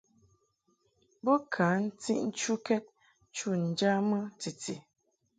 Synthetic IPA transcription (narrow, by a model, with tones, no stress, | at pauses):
bɔ˦kʰa˨˦n̩˦tḭ˦ʔn̩˦t͡ʃu˦kɛ˦t̚ | t͡ʃu˦˨n̩˨d͡ʒa˦mə˦t͡si˨t͡stḭ˨